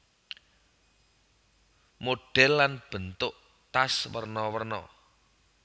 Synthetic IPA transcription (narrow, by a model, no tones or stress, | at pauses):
moɖ̥ɛlːanb̥ə̤nt̪ʊʔ | t̪aswərnɔwərnɔ̰